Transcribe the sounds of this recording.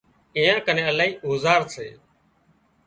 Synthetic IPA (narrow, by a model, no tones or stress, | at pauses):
ɪjãːkənẽːəlaːiːʔoːzaːɾsḛː